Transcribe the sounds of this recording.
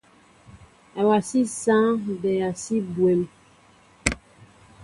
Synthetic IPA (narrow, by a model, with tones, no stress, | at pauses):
a˨wa˨si˦sã˦dɛ˨ja˨si˦bwe˨m